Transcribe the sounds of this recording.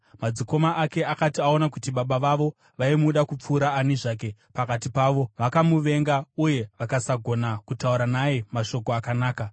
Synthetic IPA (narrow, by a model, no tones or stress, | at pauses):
mad͡ziko̞maʔːke̞akatiao̞nakutiɓaɓaʋaʋo̞ | ʋaimuɗakup͡fuːɾaːniʐaːk̬e̞pakatipaːʋo̞ʋakamuʋe̞ŋɡauje̞ʋakasaɡʱo̞nakutauɾanajemaʃo̞ko̞akanaːka